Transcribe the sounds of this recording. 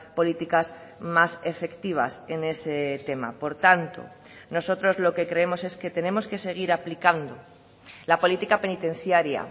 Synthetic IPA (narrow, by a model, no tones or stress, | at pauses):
po̞lit̪ikas | mase̞fe̞kt̪iβ̞a̰sene̞se̞t̪e̞ma̰po̞ɾt̪ant̪o̞̰ | no̞so̞t̪ɾo̞zlo̞ke̞kɾe̞emo̞se̞ske̞t̪e̞nẽ̞mo̞ske̞se̞ɣ̞iɾaplikand̪o | lapo̞lit̪ikape̞nit̪e̞n̟θjaɾja̰